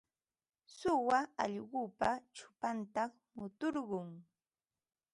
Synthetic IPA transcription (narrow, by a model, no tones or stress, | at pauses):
sʊwaɑ̰ʎɢʊːpat͡ʃʊ̥pant̪ɑχ | mʊt̪oɾɢʊŋ